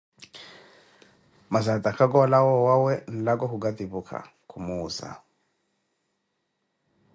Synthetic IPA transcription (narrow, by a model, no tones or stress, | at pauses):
mazat̪ʼakʰak̬ɔlawɔwawɛn̩lakɔhuɡat̪iβukʰa̰ | kʰumuːza̰